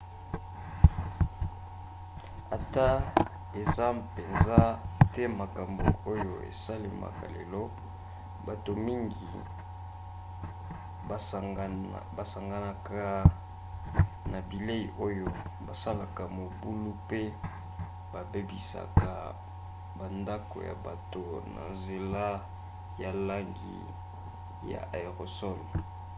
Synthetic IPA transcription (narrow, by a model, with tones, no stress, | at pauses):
a̰˨ta˦ | e˨za˦pe˨nza˦tɛ˦ma˨ka˨mbo˨o˦jo˨ḛ˨sa˦le˨ma̰˨ka̰˨lḛ˨lɔ˦ | ba˨to˨mi˦ŋɡḭ˨ | ba˨sa˨ŋɡa˨a˨ka˨ | na˨bi˨le˦i˨ʔo˦jo˦ba˨sa˦la˨ka˨mo˨bu˦lu˦pe˦ | ba˨be˦bi˨sa̰˨ka˨ | ba˨nda˦ko̰˨ja̰˨ba˨to˨na̰˨nze˨la˦ | ja˨la˦ŋɡḭ˨ | ja̰˨ʔa˨ʁo˨sɔ˦ni˨